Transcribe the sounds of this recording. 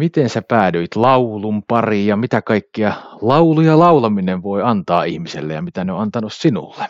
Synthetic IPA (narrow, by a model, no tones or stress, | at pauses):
mit̪ensæpæːdøit̪lɑulumpɑrijɑmit̪ækɑikːiɑlɑulujɑlɑulɑmineʋʋoiɑnt̪ɑːihmisḛlːḛjɑmit̪æneõ̰ɑnt̪ɑnussinṵlːe